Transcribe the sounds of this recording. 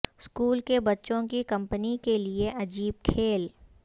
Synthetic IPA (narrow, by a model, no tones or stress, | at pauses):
skuːlkebɐtːʃõkikɐ̃mpənikelieʔɐd͡ʒiːb̚kʰeːl